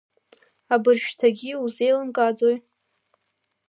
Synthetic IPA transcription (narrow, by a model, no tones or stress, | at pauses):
abɨrʒᶣtʰaɡʲiuzejlɨmkʼad͡zoj